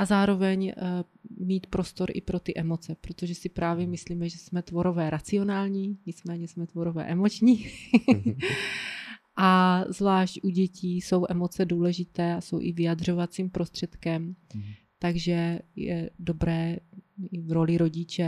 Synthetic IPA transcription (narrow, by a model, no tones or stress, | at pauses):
ʔazaːɾo̞vɛɲ | miːt̪pɾo̞st̪o̞ɾʔɪ̰pɾo̞t̪ɪʔɛmo̞t͡sɛpɾot̪o̞ʒɛsɪpɾaːvjɛmɪsliːmɛʒɛsmɛt̪vo̞ɾo̞vɛːɾat͡sɪo̞naːlɲiːɲɪt͡smɛːɲɛsmɛt̪vo̞ɾovɛ̰ːʔɛmo̞t͡ʃɲiː | ʔazvlaːʃcʔuɟɛciːso̞wʔɛmo̞t͡sɛduːlɛʒɪt̪ɛːaso̞wʔɪvɪjad̪r̝o̞vat͡siːmpɾo̞st̪r̥ɛt̪kɛm | t̪aɡʒɛjɛ̰do̞bɾɛːɪvɾo̞lɪɾo̞ɟɪt͡ʃɛ